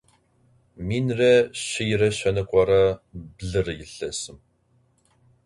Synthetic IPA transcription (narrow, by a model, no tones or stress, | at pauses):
miːnrɐɕɪjɪrɐɕɐnɨkʷʼɔrɐbɮɨrɨjɪɬɐsɨm